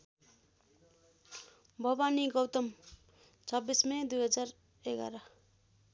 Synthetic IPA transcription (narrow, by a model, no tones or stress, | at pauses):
bʱʌbaniɡʌwt̪ʌm | t͡sʰʌbːismʌd̪ujɦʌd͡zar | eɡa̰ɾʌ